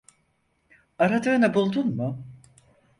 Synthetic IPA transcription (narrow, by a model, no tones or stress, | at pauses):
aɾad̪ɯːnabulˠd̪unmʊ